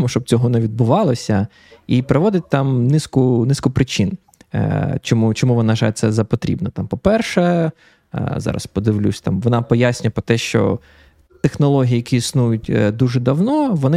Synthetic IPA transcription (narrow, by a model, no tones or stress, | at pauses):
mʊʃt͡ʃɔb̚t͡sʲɔɦɔnɛʋʲid̪̚bʊʋɑlˠɐsʲɐ | ipɾɔʋɔd̪ɪt̚ʲt̪ɑmnɪskʊnɪskʊpɾɪt͡ʃin | t͡ʃɔmut͡ʃɔmuʋɔnɑʒɑt̪sɛzɐpɔt̪ɾʲḭbnɔt̪ɑmpɔpɛrʃɛ | zɑ̰ɾɐ̰spɔd̪ɪʋlʲṵsʲt̪ɑmʋɔnɑpɔjasʲnʲʊjɛpɾɔt̪ɛʃt͡ʃɔ̰ | t̪exnɔlˠɔɦʲijijɐkʲiisnujʊtʲd̪uʒɛd̪ɐwnɔʋɔnɪ